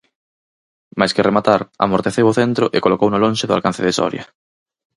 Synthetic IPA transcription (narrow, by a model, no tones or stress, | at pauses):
majskeremat̪aɾa̰moɾt̪eθewoθent̪ɾʊʔekolokownolõnʲʃeðʊa̰lkan̟θeðesɔ̰ɾja̰